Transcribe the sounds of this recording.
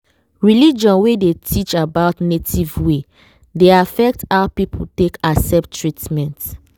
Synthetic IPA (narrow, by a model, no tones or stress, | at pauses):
ɹilid͡ʒɔ̃nwedetʰit͡ʃabaʊtnetʰivwe | deafɛk̚tapipʰltekasɛp̚tʰːɹitmɛ̃nt